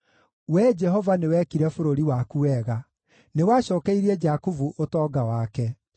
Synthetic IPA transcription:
wɛd͡ʒɛɦɔvanewɛkiɾɛfoɾoɾiwakuɛɣa | newaɕɔːkɛiɾiɛd͡ʒakuvuʔotɔːɡawakɛ

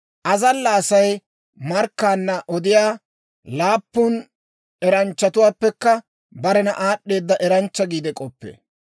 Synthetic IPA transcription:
ʔɐzɐlːɐːsɐj | mɐɾkːaːnːɐʔɔd̪ɪjaː | laːpːʊn | ɛɾɐnt͡ʃːɐt̪ʊwaːpːɛkːɐ | bɐɾɛnɐ̰ʔaːɗːe̞ːd̪ːɐʔɛɾɐnt͡ʃːɐɡiːd̪ɛkʼɔpːḛː

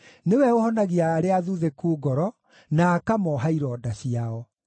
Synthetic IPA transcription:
newɛohɔnaɣiaːɾeaðuðekuːɡɔɾɔ | naːkamɔɦaiɾɔːdaɕiaɔ

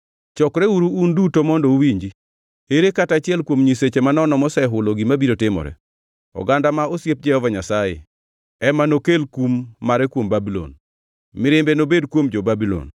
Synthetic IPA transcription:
t͡ʃɔkɾɛuɾuundutomɔndɔuwiɲd͡ʒi | eɾekatat͡ʃɪɛlkwomɲiset͡ʃemanɔnɔmɔsɛɦʊloɡimabiɾotɪmɔ̰ɾɛ̰ | ɔ̰ɡandamaosjep̚d͡ʒɛhɔvaɲasajɪ̰ | ɛmanokelkumːaɾɛkwombabilɔ̰n | mɪɾɪmbɛnobedkwomd͡ʒobabilɔ̰n

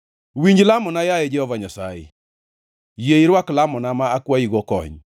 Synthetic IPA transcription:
wiɲd͡ʒlamɔnajajɛd͡ʒɛɔvaɲasa̰jɪ̰ | jeiɾwaklamɔnamaakwaiɡɔkɔ̰ɲ

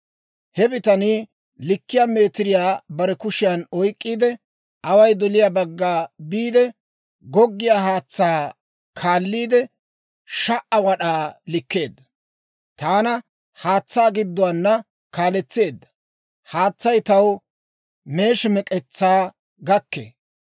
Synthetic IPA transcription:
hɛbɪt̪ɐnɪ | lɪkːɪjaːme̞ːt̪ɪɾɪjaːbɐɾɛkʊʃɪjɐnɔjkʼːiːd̪ɛ | ʔɐwɐjd̪ɔlɪjaːbɐɡːaːbiːd̪ɛ | ɡɔɡːɪjaːhaːt͡sːaː | kʰaːlːiːd̪ɛ | ʃɐʔɐwɐɗaːlɪkːe̞ːd̪ːɐ | t̪aːnɐ | haːt͡sːaːɡɪd̪ːʊwaːnːɐ | kaːlɛt͡sːe̞ːd̪ːɐ̥ | haːt͡sːɐjt̪ɐw | me̞ːʃɪmɛkʼɛt͡sːaː | ɡɐkːḛː

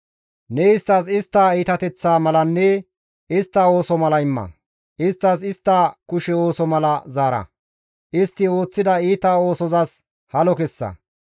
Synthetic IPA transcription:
nɛɪst̪ːɐsɪst̪ːaːiːt̪ɐt̪ɛt͡sːaːmɐlɐnːɛ | ɪst̪ːɐo̞ːsɔmɐlɐɪmːɐ̰ | ʔɪst̪ːɐsɪst̪ːaːkʊʃɛo̞ːsɔmɐlɐzaːɾɐ̰ | ʔɪst̪ːɪo̞ːt͡sːɪd̪ɐiːt̪ao̞ːsɔzas | hɐlɔkɛsːɐ̰

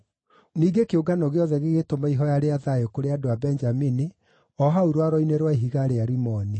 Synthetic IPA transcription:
niːɡekeoɡanɔɣeɔðɛɣeɣetomaiɦɔjaɾeaðajokoɾeadoabɛnd͡ʒamini | ɔɦauɾwaɾɔineɾwaeɦiɣaɾeaɾimɔni

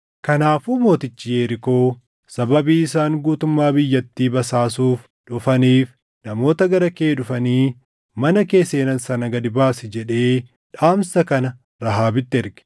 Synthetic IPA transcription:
kɐnaːfumo̞ːt̪ɪt͡ʃːɪjeːɾɪko̞ː | sɐbɐbiːɪsaːŋɡuːt̪ʊmːaːbɪjːɐt̪ːiːbɐsaːsuːf | ᶑʊfɐniːf | nɐmo̞ːt̪ɐɡɐɾɐkeːᶑʊfɐniː | mɐnɐke̞ːse̞ːnɐnsɐnɐɡɐd̪ɪbaːsɪd͡ʒɛᶑe̞ː | ᶑaːmsɐkɐnɐ | ɾɐɦaːbɪt̪ːɪɪɾɡɛ̥

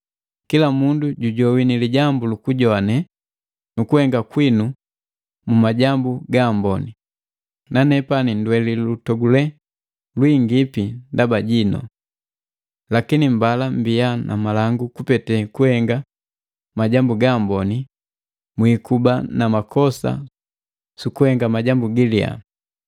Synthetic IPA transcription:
kilamunduɟuɟɔwiniliɟambulukuɟɔanɛ | nukuhɛŋɡakwinu | mumaɟambuɡambɔni | nanɛpanindwɛlilutɔɡulɛ | lwiŋɡipindabaɟinɔ̰ | lakinim̩balambianʔa̰malaŋɡukupɛtɛkuhɛŋɡa | maɟambuɡambɔni | mwikubanamakʰɔsa̰ | sukuhɛŋɡamaɟambuɡilia̰

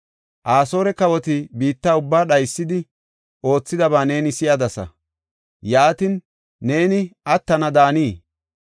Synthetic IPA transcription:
ʔaːso̞ːɾɛkɐwɔt̪ɪbiːt̪ːaːʊbːaːɗɐjsːɪd̪ɪ | o̞ːt͡sːɪd̪ɐβaːne̞ːnɪsɪjɐd̪ɐsɐ̰ | jaːt̪ɪnː | e̞ːnɪʔɐt̪ːɐnɐd̪aːniː

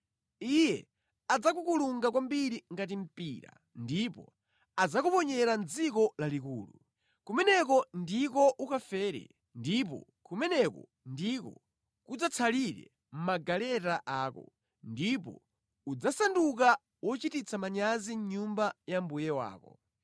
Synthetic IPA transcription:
ijɛ | ad͡zakukuluŋɡakwambiɾiŋɡat̬im̩piːɾa̰ | ndipɔ̰ | ad͡zakupɔɲɛɾand͡zikɔlalikṵːlṵ | kumɛnɛk̬ɔndikɔʔukafɛːɾɛ̰ | ndip̬ɔ̰ | kumɛnɛkɔ̰ | ndikɔ | kud͡zat͡sʰaliɾɛ̰ | m̩maɡalɛtaʔaːkɔ̰ | ndipɔ̰ | ud͡zasanduk̬a | wɔt͡ʃitit͡sʰamaɲaziɲumbajambujɛwa̰ːkɔ̰

